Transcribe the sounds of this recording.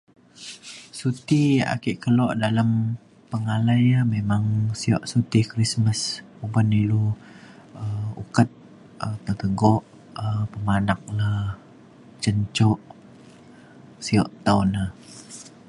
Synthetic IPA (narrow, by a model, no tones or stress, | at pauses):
sut̪ia̰kiʔkəlɔʔdalam | pəŋalajamemaŋsiɔ̰ʔsut̪ikɾisməs | ubanilu | əṵkət̪̚ | ətət̪əɡɔʔ | əpəmanak̚lah | t͡ʃəɲt͡ʃɔʔ | siɔʔt̪awna